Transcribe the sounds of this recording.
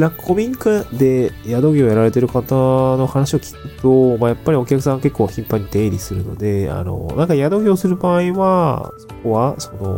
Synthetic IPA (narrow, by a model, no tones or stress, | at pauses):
nakkʰomʲiŋkad̪e̞jad̪o̞ɡʲojaɾaɾe̞t̪e̞ɾɯ̟kat̪ano̞hanaɕio̞kʲi̥kɯ̟t̪omajapːaɾʲio̞kʲakɯ̟s̬ãake̞kːoːçĩmpaɲ̟ːit̪ẽ̞ːɾʲisɨɾɯ̟no̞̰d̪e̞a̰no̞̰nãŋkajad̪o̞ɡʲo̞ːsɨɾɯ̟baːiβaso̞ko̞βaso̞no̞̰